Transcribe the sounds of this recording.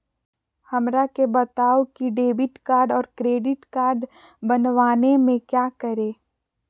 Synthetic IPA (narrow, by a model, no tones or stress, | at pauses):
hɐmɾakebɐt̪aːokiɖeːbɪʈkaːɾɖɔːɾkɾeːɖɪʈkaːɾɖ | bɐnʋaːnemẽkjaːkəɾẽː